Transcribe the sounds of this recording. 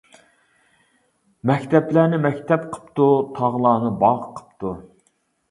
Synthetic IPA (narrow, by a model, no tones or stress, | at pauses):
mɛkʲt̪ɛplæːnɪmɛkʲt̪ʰɛpqʰə̥pt̪ut̪ʰɑʁlˠɑːnɨbɑʁqʰə̥pt̪u